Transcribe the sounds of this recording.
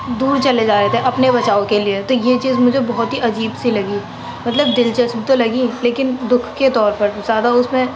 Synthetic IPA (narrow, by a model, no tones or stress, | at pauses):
d̪uːɾt͡ʃɐled͡ʒaːɾeɦet̪ʰeʔɐpnebɐt͡ʃaːokeliet̪ojet͡ʃiːzmʊd͡ʒʱebɔɦɔt̪ɦiʔɐd͡ʒiːbsilɐɡi | mɐt̪ləbd̪ɪlt͡ʃɐsbʱit̪olɐɡileːkɪnd̪ʊkʰket̪ɔːɾpɐɾzaːd̪aʊsmẽ